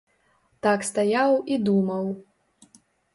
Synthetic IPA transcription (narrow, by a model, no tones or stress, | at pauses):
t̪akst̪ajawid̪umɐw